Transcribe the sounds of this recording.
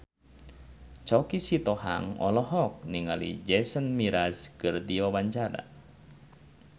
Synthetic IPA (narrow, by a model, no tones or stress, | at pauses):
t͡ʃɔkisit̪ɔɦa̰ŋɔ̰lɔɦɔk̚niŋalḭd͡ʒɛsənmiɾaskɨrdiɔbaɲt͡ʃaɾa̰